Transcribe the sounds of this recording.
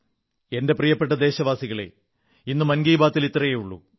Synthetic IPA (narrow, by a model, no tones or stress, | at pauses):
e̞nde̞prijɐpːe̞ʈːɐd̪e̞ːɕɐʋaːsiɣɐɭḛ | inːumɐnɡiːbaːt̪ːilit̪ːrɐjejuɭːṵ